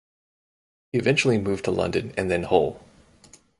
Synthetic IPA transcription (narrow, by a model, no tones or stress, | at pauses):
hiɨvɛ̃nt͡ʃl̩ˠimʉv̥tʰəlʌ̰̃ndɨ̃nɨ̰̃nðɨ̃nhoʊlˠ